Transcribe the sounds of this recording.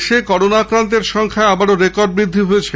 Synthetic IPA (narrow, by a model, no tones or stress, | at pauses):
ʃekɔɾonaakɾant̪̬eɾʃɔŋkʰaeabaɾoɾekoɾɖ̚bɾid̪ʱːiɦojet͡ɕʰe